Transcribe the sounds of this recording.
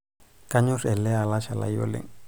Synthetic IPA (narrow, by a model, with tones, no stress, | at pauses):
kʼa˦ɲʊ˦rɛ˨lɛ˦a˨la˦ʃa˨la̰jo̰˦lḛ˨ŋ̩